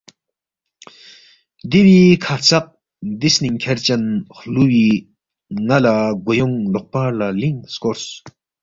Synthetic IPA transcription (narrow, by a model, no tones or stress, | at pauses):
d̪iwikʰat͡sʰaq̚ | d̪isniŋkʰert͡ɕanχluwi | ŋalaɡojoŋloχpalaliŋskors